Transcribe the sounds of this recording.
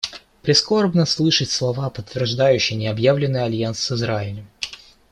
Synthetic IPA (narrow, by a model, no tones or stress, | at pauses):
pɾʲɪsko̞rbnəslˠɨʂətʲslˠɐvapət̪ːvʲɪrʐd̪ajʉɕːɪjnʲɪɐbjavlʲɪnːɨjɐlʲjansːɨzɾaɪlʲəm